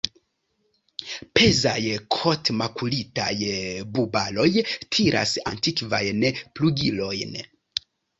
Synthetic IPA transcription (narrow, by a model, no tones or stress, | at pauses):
pe̞zajkʰo̞tmakulitajbubalo̞jtʰiɾʔa̰sa̰ntikva̰jnpluɡilo̞jn